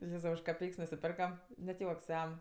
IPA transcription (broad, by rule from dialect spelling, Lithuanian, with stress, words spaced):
ˈjeːzɐʊ ʊʃ kɐˈpʲɛɪks nʊsʲɪˈpʲɛrkɐm nʲɛt ˈjuɔks ˈjɛm